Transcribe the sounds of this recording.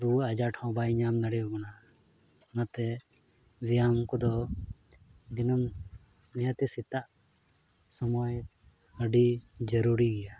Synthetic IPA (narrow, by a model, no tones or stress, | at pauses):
ɾuad͡ʒaʈʰɔ̃bajɲamnəɽɛɔɡɔna | ɔnat̪ɛ | wijamkɔd̪ɔ | d̪inəm | nɛjat̪ɛsit̪aʔ | sɔmɔj | əɖid͡ʒəɾuɾiɡɛja